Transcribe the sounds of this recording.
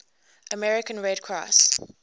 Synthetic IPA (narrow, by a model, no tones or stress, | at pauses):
ʔəmɛɹɪkə̃nɹɛdkʰɹa̰s